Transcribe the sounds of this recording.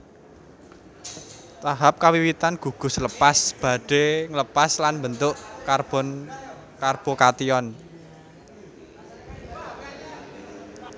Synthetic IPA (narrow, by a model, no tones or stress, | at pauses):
t̪aɦap̚kawiwit̪anɡ̥ṳɡ̥ʊ̤sləpasb̥a̤ɖ̥e̤ŋləpaslanmbənt̪ʊʔkarb̥ɔn | karb̥okat̪iɔn